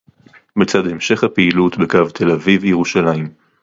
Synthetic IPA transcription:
bet͡sadhe̞mʃe̞χhapeilutbekavt̪ʰe̞lavivjeʁuʃalaim

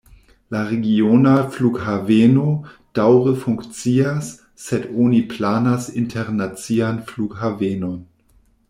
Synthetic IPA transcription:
laʁeɡionaflukhavenod̥awʁəfuŋkt͡siasː | edoniplaːnasintʰeʁnat͡sianflukɦavenon

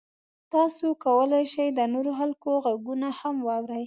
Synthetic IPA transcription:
t̪ɑsokawəlajʃajd̪ənoɾoxalkoɣaɡunahamwɑwɾaj

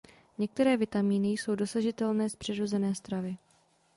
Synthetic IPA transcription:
ɲɛk̚t̪ɛɾɛːvɪt̪amiːnɪjso̞wdo̞saʒɪt̪ɛlnɛːspr̥ɛdɾo̞zɛnɛːst̪ɾavɪ

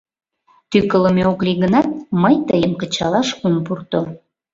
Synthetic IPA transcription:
t̪ykələmeokliɣənɑt̪̚məjt̪əjəmkət͡ɕɑlɑʃunpurt̪o

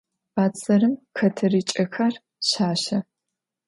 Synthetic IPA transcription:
baːt͡sʼɐɾɨmxɐtʰɐriːt͡ʃʼɐxar | ɕaːɕɐ

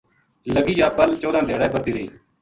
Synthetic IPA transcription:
ləɡiːjaːbəlt͡ʃoːd̪ãːd̪eːɽaːeːbəɾd̪iːɾeiː

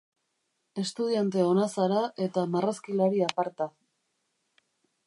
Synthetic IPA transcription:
e̞st̪uðiant̪e̞o̞nasaɾaʔe̞t̪amaraskilaɾiapaɾt̪a

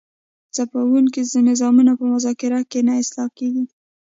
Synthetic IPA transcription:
t͡sapawuŋk̬izd̪ənɪzɑmunapəmʊzɑkɪɾɑkenaɪslɑkeɡi

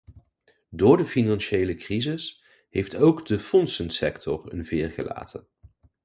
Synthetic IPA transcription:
dʊːɹdəfinɑnʃejləkrizɪs | ɦejftowɡdəfɔnsənsɛktʰɔ̰rə̰nvɪːɹχə̰la̰ːtʰən

